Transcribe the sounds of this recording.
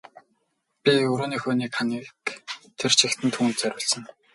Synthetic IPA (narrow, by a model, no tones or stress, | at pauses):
pʲiɵɾoːniːxʊːniːkχaŋiːkt̪ʰer̥t͡ɕʰixt̪ʰɘ̆nt̪ʰuːnt̪t͡sæɾʲʊːɮsə̆ŋ